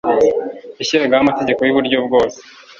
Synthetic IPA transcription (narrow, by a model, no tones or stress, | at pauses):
iɕiɾaɡahamate̞ɟe̞ko̞jiβuɾɟobɡo̞ːze̥